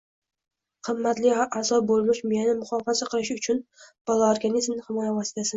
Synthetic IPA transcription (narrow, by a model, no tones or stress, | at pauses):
qʰɨmːat̪lɪazɒbolˠmɪʃmjnɪmʊχɒfazaqʰɨlɪʃʊt͡ʃʰʊnb̥ɒlˠaoɾɡanizmnɪhɪmɒjavɒsɪ̥t̪ʰasɪn